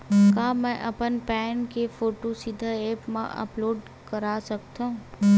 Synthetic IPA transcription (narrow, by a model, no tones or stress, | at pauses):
kaːmɛ̃ʔɐpənpɛːnkefoːʈosɪd̪ʱaeːpmã̰ʔə̰ploːɖ | kəɾaːsək̚t̪aɦũ